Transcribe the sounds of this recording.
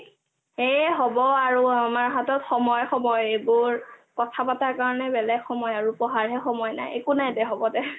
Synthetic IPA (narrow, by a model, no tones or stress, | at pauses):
eɦɔbɔaɹuamaɹɦatɔtxɔmɔjxɔmɔjebʊɹkɔtʰapataɹkaɹɔnɛbɛlɛɡxɔmɔjaɹupɔɦaɹɦɛxɔmɔjna̰jḛkunajdɛɦɔbɔdɛ